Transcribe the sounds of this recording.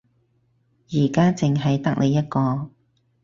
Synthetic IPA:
jiː˨˩kaː˥t͡sɪ˨ŋɦɐ˨jt̪ɐ˥k̚lʔe˨˧jːɐ˥t̚kɔː˧

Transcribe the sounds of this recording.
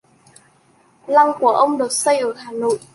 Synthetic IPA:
la˧ŋku˧˩əʔə˧wŋ͡mɗɨ˨˩t̚sə˧jʔəː˧˩haː˨˩no̰˧˨jʔ

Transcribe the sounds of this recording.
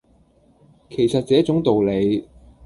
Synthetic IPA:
kʰe˨˩jsɐ˨t̚t͡sɛː˨˥t͡sʊ˨˥ŋt̪o˨wle˨˧j

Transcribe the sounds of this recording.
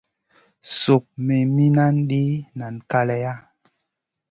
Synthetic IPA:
so˨k̚me˨mi˦na˦nɗi˦na˨nka˦lɛ˨ja˦

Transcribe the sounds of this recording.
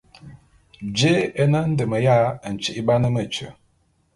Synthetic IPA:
d͡ʒe˦ɛ˦na˦n̩˦də˨mə˨ja˦˨n̩˨t͡ʃi˦˨ʔi˦ba˦nə˦mə˦˨t͡ʃə̰˨

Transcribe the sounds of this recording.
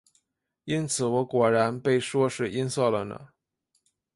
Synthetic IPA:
i˥nt͡sʰɹ̩˨˧˥wɔ˧˥kwɔ˨˩ɻa˧˥npe˥˩ɪʂwɔ˥ʂɻ̩˥˩i˥nsɔ˥˩lə˩nə̰˩

